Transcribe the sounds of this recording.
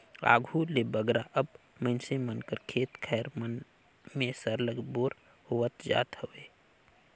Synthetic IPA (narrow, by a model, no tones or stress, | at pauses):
a̰ːɡʱulebəɡɾaʔəb | məɪnsemənkəɾkʰeːt̪kʰɛːɾmən | mẽsəɾləɡboːɾ | howət̪d͡ʒa̰ːt̪həʋeː